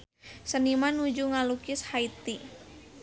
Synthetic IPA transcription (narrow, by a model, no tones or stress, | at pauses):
sənimanud͡ʒuŋalukɪshait̪i